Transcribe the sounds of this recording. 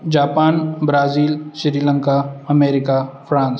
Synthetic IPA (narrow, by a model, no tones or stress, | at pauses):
d͡ʒaːpaːnbɾaːziːlʃɪɾiːlə̃ŋkaɐmeːɾɪkafʰɾãːns